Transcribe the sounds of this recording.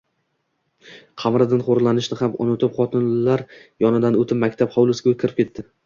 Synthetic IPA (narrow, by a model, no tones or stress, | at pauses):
qʰɑmɾɪd̪ɪnχoɾlˠanɪʃnɪhamʊ̰nɪt̪ʰɪpχɒt̪ʰɪnlaɾjɒnɪd̪anɵt̪ʰɪpmakʲt̪ʰapχɒwlˠʊsɡʲakʲʰɪɾɪp̚kʲʰe̞t̪ːɪ